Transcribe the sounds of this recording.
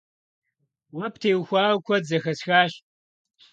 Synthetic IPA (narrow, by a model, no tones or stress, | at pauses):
wɐp̚ʰtʰeːwxʷaːwkʷʰɐdzɐxɐsxaːʃ